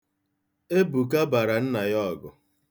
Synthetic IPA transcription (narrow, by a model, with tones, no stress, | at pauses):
e˦bu˨k̬a˦ba˨ɾa˨n̩˦na˨jɔ˦˨ɡʊ˨